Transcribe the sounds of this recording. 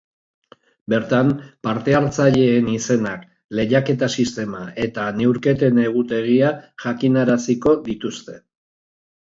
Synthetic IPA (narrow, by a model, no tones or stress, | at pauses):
be̞ɾt̪ampaɾt̪e̞aɾt͡saʎe̞ːnise̞nak | le̞jake̞t̪asist̪e̞mae̞t̪ane̞wɾke̞t̪e̞ne̞ɣ̞ut̪e̞ɣ̞iaʝakinaɾasiko̞ðit̪ust̪e̞